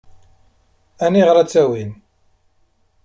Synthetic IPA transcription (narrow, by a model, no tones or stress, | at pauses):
æniʁɾæt͡sːæwin